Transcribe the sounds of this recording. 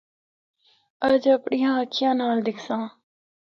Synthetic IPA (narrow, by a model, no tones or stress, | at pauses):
əd͡ʒəpɳɪjãːəkʰjãːnaːld̪ɪkʰsãː